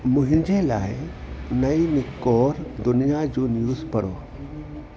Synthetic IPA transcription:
mʊɦĩnd͡ʒela̰ːe | nɐinikːɔːɾd̪ʊnijad͡ʒuːnjuːspɐɾo̰ː

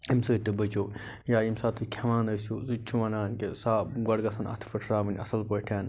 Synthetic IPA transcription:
imsoːit̪ːɨbɐt͡ʃoː | jaːimsaːt̪ʰɨkʲʰɐmaːnɐsuzɨt͡ʃʰuʋɐnaːnkesaːɡɐɽɡɐsɐnɐ̰t̪ʰfɐʈʰɾaːmɐnʲɐ̰sɐlpəʈʰaːn

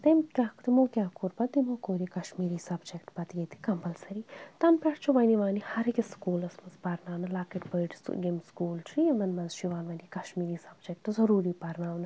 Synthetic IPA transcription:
t̪emkʲaːkt̪imokʲjaːkuɾpɐd̪imoːkoːɾikɐʃmiːɾiːsɐbd͡ʒek̚ʈpɐt̪ɡet̪ʰi̥kɐmbɐlsɐɾit̪ɐnpɛʈt͡ʃʰuʋɐniʋaːnihɐɾikeskuːlɐsmɐnzpɐɾnaːwnɐlaːkiʈbɐɖsɡemskuːltʰɾimɐnmɐnzʃiʋaːnʋɐnikɐʃmiːɾiːsɐbd͡ʒek̚ʈ̪ɨzɐɾuːɾiːpɐɾnaːwnɐ

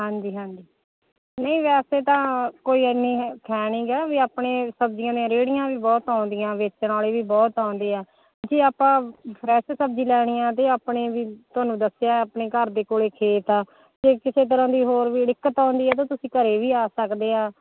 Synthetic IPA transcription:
ɦãːɲd͡ʒiːɦãːɲd͡ʒiː | nəĩːʋɛːseːt̪ãːkoːiːəniːkʰɛːnĩːɡɛʋiːaːpɳeːsəbd͡ʒɪjãːd̪ijãɾeːɽɪjãːʋiːbɔːt̪ãːʊnd̪ɪjãːʋɪt͡ʃnaːleːʋiːbɔːt̪ãːnd̪eːɛː | d͡ʒeːaːpãːpʰɾɛːʃsəb̚d͡ʒĩːlɛːɽ̃ɪjãːt̪eːaːpɳeːʋiːt̪ʊaːnũːd̪əsjaːapneːkəɾd̪eːkoːɭeːkʰeːt̪aː | d͡ʒeːkɪseːt̪̬əɾãːd̪iːɦoːɾʋiːɖɪkːət̪ãːnd̪iːɛːt̪̬ãːt̪ʊsĩːkəɾeːʋiːaːsəkd̪eːɦãː

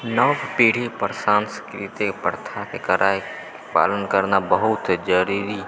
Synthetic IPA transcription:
nəʋpiːɽ̤ipəɾsaːnskɾit̪ipəɽt̪ʰakekəɾʔaːe | pa̰ːlənkəɾnabəɦʊt̪d͡ʒəɾiɾi

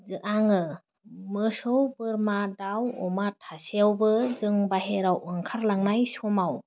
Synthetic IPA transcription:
zɯʔaŋɯ | mɯsɯwbɯɾmadawɔ̰matʰaseawbɯzɯŋbaɦeɾawɯŋkʰaɾlaŋnajsɔmaw

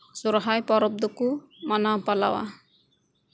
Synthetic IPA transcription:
suɾɦajpɔɾɔp̚d̪oku | manapala̰wa̰

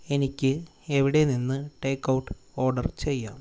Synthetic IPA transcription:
e̞nikʲːɨ | eʋiɽe̞ninːɨʈe̞ːkːɐwuʈːɨ̥o̞ːrɖɐrt͡ɕe̞jːaːm

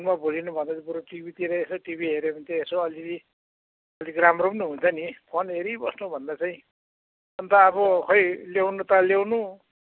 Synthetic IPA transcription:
nmabʱolinubʱʌnd̪at͡sbuɾoʈibit̪iɾʌesoʈibiɦeɾemʌnt̪aesoʌlii | ʌlikramrobnuɦunt͡sʰʌnipʰonɦeɾibʌsnubʱʌnd̪at͡saĩ | ʌnt̪aːβʌkʰʌjlewnut̪ʌlewnu

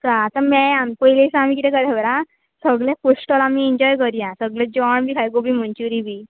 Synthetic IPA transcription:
kaːt̪amɛampəjlesãam̤ikit̪ɛ̃kəd̪ɛbəɾã | səɡɭjakoʂʈəlamiɛɲd͡ʑɔjkəɾjãsəɡled͡ʑɔɳbikʰajɡobim̤əɳt͡ɕuɾibi

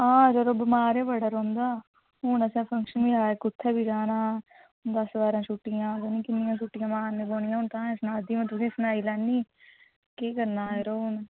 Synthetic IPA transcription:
ãːɾoɾoːbəmaːɾeːbəɽəɾõːnd̪aː | ɦʊːnəsɛ̃ːpʰə̃ŋkʃənbiːaːeːkʊt̪ʰːeːbiːd͡ʒaːnãː | d̪əsʋaːɾãːʃuːʈːɪjãːɡ̪eniːkɪnːɪjãːʃ̬uːʈːɪjãːmaːnẽːboːɳɪjãɦʊ̃nt̪ãːsnãːd̪iːmət̪əsĩsnaːiːlɛːnːiː | keːkəɾnaːeɾoːʊn

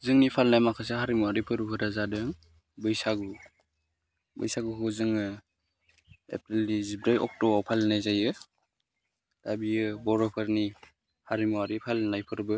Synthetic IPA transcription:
zɯŋnipʰalnajmakʰas̬eɦaɾimuwaɾipʰɯɾupʰɯɾazadɯŋ | bɯjsaɡu | bɯ̰jsaɡukɯzɯŋɯ | ḛpɾildizibɾajɔ̰k̚tɔpʰalnajzajɯ | dabiɯbɔɾɔpʰɯɾni | haɾimuwaɾipʰalnajpʰɯɾbɯ

